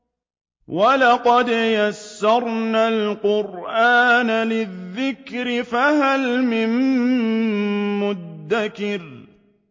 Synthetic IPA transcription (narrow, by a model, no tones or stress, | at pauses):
walɑqɑd̪jasːɑɾˤnaːlqʊɾʔaːnalɪðːɪkɾɪfaɦalmɪn | mʊd̪ːakɪɾ